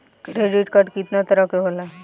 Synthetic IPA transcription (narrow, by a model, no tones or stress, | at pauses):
kɾeːɖiʈkəʈkɪt̪nat̪ɐɾəkeɦolaɦɛ